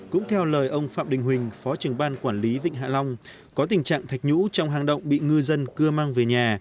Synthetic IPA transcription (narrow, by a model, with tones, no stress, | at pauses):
kʊ̰˧˥ŋ͡mt̪ʰɛ˧wləː˨˩jʔə˧wŋ͡mfa̰ː˧˨mɗï˨˩ŋ̟ɦwï˨˩ŋ̟fɔ˨˦t͡ɕɨ˧˩əŋɓaː˧nkwaː˧˩nli˨˦vḭ˧˨ŋ̟ɦa̰ː˧˨lɔ˧wŋ͡m | kɔ˨˦t̪ï˨˩ŋ̟t͡ɕa̰ː˧˨ŋt̪ʰa˨˩jk̚ɲṵ˧˥t͡ɕɔ˧wŋ͡mɦaː˨˩ŋɗə̰˧˨wŋ͡mɓḭ˧˨ŋɨ˧zə˧nkɨ˧əmaː˧ŋveː˨˩ɲaː˨˩